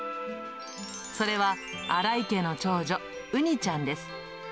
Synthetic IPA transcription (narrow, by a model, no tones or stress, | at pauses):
so̞ɾe̞βa | aɾaike̞no̞t͡ɕo̞ːd͡ʑo | ɯ̟ɲ̟it͡ɕãnd̪e̞sɨ̥